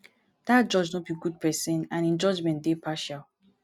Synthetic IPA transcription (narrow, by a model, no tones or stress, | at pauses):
d̥at̚d͡ʒɔd͡ʒnot̚biɡud̚pʰɛsə̃nãnĩnd͡ʒɔd͡ʒmɛ̃ntd̥epʰaʃalˠ